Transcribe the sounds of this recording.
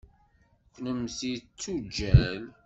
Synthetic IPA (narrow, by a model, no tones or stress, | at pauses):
kʷːnəmθit͡sːud͡ʒːæl